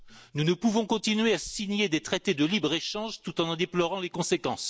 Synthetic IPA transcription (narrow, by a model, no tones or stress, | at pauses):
nunəpuvɔ̃kɔ̃t̪inɥeasiɲed̪et̪χet̪ed̪əlibʁeʃɑ̃ʒt̪ut̪ɑ̃nd̪eplɔʁɑ̃lekɔ̃sekɑ̰̃s